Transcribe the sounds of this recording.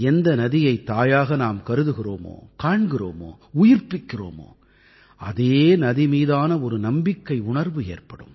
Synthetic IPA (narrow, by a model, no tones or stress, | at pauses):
ɛnd̪ɐnɐðɪjɐɪt̪ːaːjaːɣɐnaːmkɐɾɯðɯɣɪro̰ːmo̰ːkaːɳɡɪro̰ːmo̰ː | ʊjɪrpɪkːɪro̰ːmo̰ː | ɐðeːnɐðimiːðaːnɐɔɾɯnɐmbɪkːɐɪʊɳɐɾʋɯeːrpɐɽɯ̰m